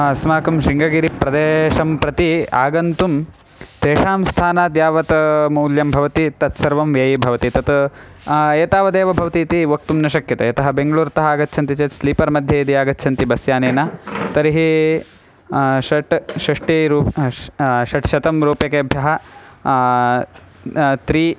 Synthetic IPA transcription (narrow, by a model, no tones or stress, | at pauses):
ɐsmaːkɐmʃiŋɡɐɡiːɾipɾɐd̪eːʃɐmpɾɐt̪iaːɡɐnt̪um | t̪eːʂaːmst̪ʰaːnaːd̪jaːʋɐt̪muːljɐmbʱɐʋɐt̪it̪ɐt̪sɐɾʋɐmʋjɐːjibʱɐʋɐt̪it̪ɐt̪ | eːt̪aːʋɐd̪eːʋɐbʱɐʋɐt̪iːt̪iʋɐk̚t̪umnɐʃɐkjɐt̪ɐɐt̪ɐɦɐbeŋɡɐɭuːɾt̪ɐɦɐaːɡɐt̪ːʃʰɐnt̪it͡ʃeːt̪sliːpɐɾmɐd̪ʱjɐjid̪iaːɡɐt̪ːʃʰɐnt̪ibɐsjaːneːnɐt̪ɐɾiɦi | ʃɐʈʃɐʂʈiɾuː | ʃɐʈʃɐt̪ɐmɾuːpjɐkeɐbʱjɐɦɐ | t̪ɾiː